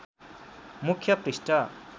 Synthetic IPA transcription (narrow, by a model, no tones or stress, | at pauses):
mukʰjʌpɾisʈʌ